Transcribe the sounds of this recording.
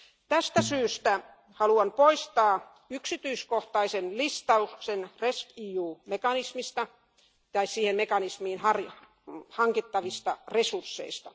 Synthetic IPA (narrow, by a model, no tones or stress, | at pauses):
t̪æst̪æsyːst̪æ | hɑluɑnpoist̪ɑː | yksit̪yiskoht̪ɑisenlist̪ɑuksenreskiːuːmekɑnismist̪ɑ | t̪ɑissiːhemmekɑnismiːnhɑrj | hɑŋkit̪ːɑʋist̪ɑresursːḛist̪ɑ